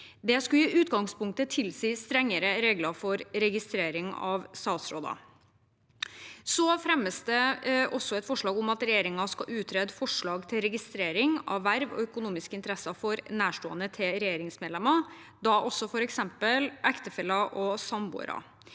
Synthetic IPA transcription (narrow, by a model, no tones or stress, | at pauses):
d̪ɛskʉiʉːt̪ɡɑŋspʊŋk̚t̪ət̪ʰɪlsiːst̪ɾɛŋːəɾəɾeːɡlɑfɔɾɾɛɡɪst̪ɾeːɾɪŋɑ̰ʋst̪ɑːt̪sɾoːd̪ɑ̰ | sɔfɾɛmːəsd̪ɛʔɔsɔɛt̪fɔʂɭɑːɡʊmɑt̪ɾɛjeːɾɪŋɑskɑʔʉːt̪ʰɾɛd̪fɔʂɭɑːɡt̪ʰɪlɾɛɡɪst̪ɾeːɾɪŋɑ̰ʋːæɾʋɔ̰œkʊnuːmɪskəɪnt̪əɾɛsɑfɔɾnæːʂʈoːənət̪ʰɪlɾɛjeːɾɪŋsmeːd̪lɛmːɑ | d̪ɑʔɔsːɔfɔɾɛksɛmpəlʔækt̪əfɛlːɑʔɔsɑmbṵːɾɑ̰